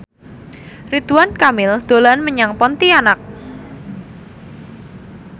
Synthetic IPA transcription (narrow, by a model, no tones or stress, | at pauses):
rit̪uwankamɪld̪̥o̤lanməɲaŋpɔnt̪ianak̚